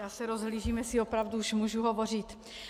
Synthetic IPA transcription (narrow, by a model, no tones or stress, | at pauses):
jaːsɛɾo̞zɦliːʒiːmjɛsio̞pɾavduuʃmuːʒuɦovo̞r̝ɪt̪